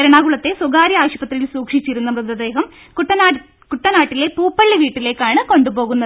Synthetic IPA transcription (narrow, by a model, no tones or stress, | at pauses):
ɐɾɐɳaːɣuɭɐt̪ːe̞suɡaːɾjɐaːɕubɐt̪rijilsuːkʂit͡ɕːiɾunːɐmrɨd̪ɐd̪e̞ːɦɐm | kʈːɐnː | kuʈːɐnaːʈːile̞puːpːɐɭːiʋiːʈːile̞ːkːaːɳɨko̞ɳɖubo̞ːɣunːɐðɨ